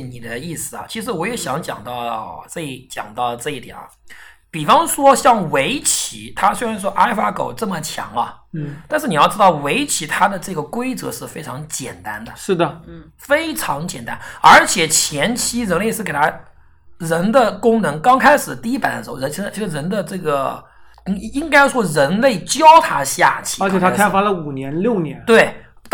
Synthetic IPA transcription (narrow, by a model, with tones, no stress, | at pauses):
ni˨˩d̪ə˦i˥˩sɹ̩˨˩ɐ̰˩t͡ɕʰi˧˥ʂ̬ɻ̩˧˥wɔ˧˥jɛ˧˥ɕjɑ˧˥˦ŋt͡ɕjɑ̰˨˩ŋt̪ɑ˥˧ʊʈ͡ʂɤ˥˧i˥˩t͡ɕjɑ̰˨˩ŋt̪ɑ˥˧ʊʈ͡ʂɤ˥˧i˥˩t̪jɛ̰˨˩nɐ̰˧˩pi˨˩fɑ˥ŋʂwɔ˥ɕjɑ˥˩ŋwe˧˥ɪt͡ɕʰi˧˥˦t̪ʰa˥swe˥ɪɻa˧˥nʂwɔ˥ʔa˥ɪfa˥ko̰˨˩ʊʈ͡ʂɤ˥˩mə˩t͡ɕʰjɑ̰˧˥ŋɐ̰˧t̪a˥˧ʂɻ̩˥˩ni˩jɑ˥˩ʊʈ͡ʂɻ̩˥t̪ɑ˥˩ʊwe˧˥ɪt͡ɕʰi˧˥t̪ʰa˥d̪ə˨ʈ͡ʂɤ˥˩ɡə˩kwe˥ɪt͡sɤ̰˧˥ʂɻ̩˥˩fe˥ɪʈ͡ʂʰɑ˧˥ŋt͡ɕjɛ̰˨˩nt̪a˥nd̪ə˨ʂɻ̩˥˩d̪ə˩ | fe˥ɪʈ͡ʂʰɑ˧˥ŋt͡ɕjɛ̰˨˩nt̪a̰˥nə˞˧˥t͡ɕʰjɛ˨˩t͡ɕʰjɛ˧˥nt͡ɕʰi˥ɻə˧˥nle˥˧ɪʂɻ̩˥˩ke˨˩ɪt̪ʰa˥ | ɻə˧˥nd̪ə˨kʊ˥ŋnɤ˧˥ŋkɑ˥ŋkʰa˥ɪʂɻ̩˨˩˦t̪i˥˧i˥pa˨˩nə˧ʂɻ̩˧˥˧ə˧˥i˧˥ʂ̩˧˩t͡ɕʰi˧˥ʂɻ̩˥˧ɻə˧˥nd̪ə˧ʈ͡ʂɤ˥˩ɡə˩˥ | i˥ŋka˥ɪ˥˧˩ʂwɔ˥ɻə˧˥nle˥˩ɪt͡ɕjɑ˥ʊt̪ʰa˥ɕja̰˥˩t͡ɕʰi̥˥ə˞˧˥jɛ˨˩t̪ʰa˥kʰa˥ɪ˥fa˥lə˨u˨˩njɛ˧˥nljo˥˩ʊnjɛ˧˥nt̪we˥˩ɪ